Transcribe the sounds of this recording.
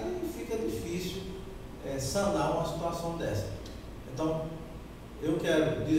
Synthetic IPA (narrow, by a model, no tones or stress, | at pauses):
ifikɐd̪ifisiw | ɛsɐ̃naɾũmɐsi̥t̪uasɐ̃w̃d̪ɛsɐ | ẽnt̪ɐ̃w̃ | ewkɛɾʊd̪i